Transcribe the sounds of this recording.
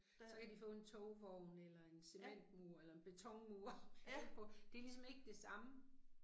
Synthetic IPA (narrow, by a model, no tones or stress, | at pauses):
sɒ̽kʰæd̥ifɔ̰̽ːe̝nt͡sʰɔʊʋɒʊnelɐe̝nse̝men̰d̥muɐelɐe̝nb̥e̝t͡sʰɒ̽ŋmuɐpʰɒ̽d̥e̝ɐlis̬ɒ̽me̝ɡ̥əd̥e̝sɑ̈mə